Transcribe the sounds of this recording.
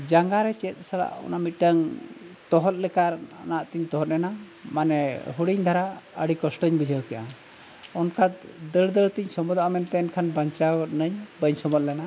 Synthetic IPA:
d͡ʒaŋɡaɾɛt͡ʃɛt̪̚ˀsala̰ʔɔ̰namit̪̚ʈəŋt̪ɔɦɔt̪̚lɛkaɾa̰naʔt̪iɲt̪ɔɦɔt̪̚lɛna | manɛɦuɽiɲd̪ʱaɾaəɽikɔsʈəɲbid͡ʒʱəwkɛʔa̰ | ɔnkʰad̪əɭd̪əɭt̪iɲsɔmɔd̪aʔamɛnt̪ɛːnkʰanbaɲt͡ʃawɔt̪̚nəɲbəɲsɔmɔt̪̚lɛna

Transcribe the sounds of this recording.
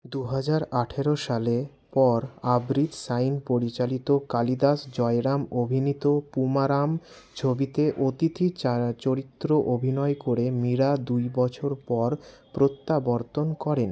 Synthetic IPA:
d̪uɦad͡ʑaɾaʈʰeɾoʃale | pɔɾabɾid̪sajnpoɾit͡ɕalit̪okalid̪asd͡ʑɔeɾamobʱinit̪opumaɾam | t͡ɕʰobit̪eʔot̪it̪ʰit͡ɕoɾit̪ːɾoʔobʱinɔekoɾemiɾad̪ujbɔt͡ɕʰoɾpɔɾpɾot̪ːabɔɾt̪onkɔɾen

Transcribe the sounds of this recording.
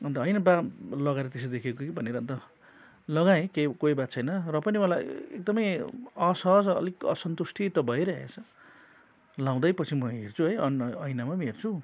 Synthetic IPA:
ʌnt̪ʌʌjnabalʌɡaeɾʌt̪es̬d̪ekʰekokibʱʌneɾʌnt̪ʌ | lʌɡaẽkekojbasʰʌjnʌrʌpʌnimʌlajḛk̚d̪ʌmʌjasʌsʌ̰likʌ̰sʌnt̪usʈʰit̪ʌbʱʌeɾaɦḛt͡sʰʌ | lãw̃d̪ʌjpʌt͡sʰimʌɦɦert͡sʰuɦʌjʌnʌjnamamɦert͡sʰu

